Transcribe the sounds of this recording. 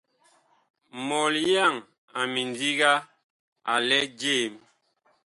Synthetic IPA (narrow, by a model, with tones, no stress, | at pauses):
mɔ˨lja˦˨ŋ | a˨mi˨ndi˦ɡa˦ | a̰˨lɛ˦d͡ʒe˦˨m